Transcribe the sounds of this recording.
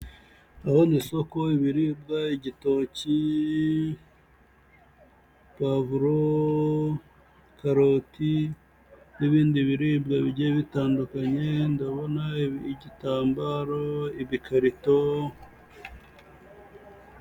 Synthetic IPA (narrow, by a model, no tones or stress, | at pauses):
ahonisokoiβiɾibɡaiɟitoci | pavuɾo | kʰaɾo̞ti | niβiːndiβiɾibɡaβiɟeβitaːndukaɲe̞ndaβo̞naiiɟitaːmbaɾoiβikʰaɾito